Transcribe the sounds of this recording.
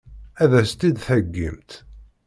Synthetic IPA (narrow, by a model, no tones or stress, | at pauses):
æðæst̪id̪θəɡːḭmt̪